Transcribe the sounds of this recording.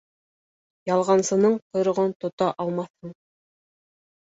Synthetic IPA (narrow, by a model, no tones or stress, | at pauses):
jɑlˠʁɑnsɤ̆nɤɴqŏjɾɤ̆ʁont̪ŏt̪ɑʔɑlˠmɑθhɤɴ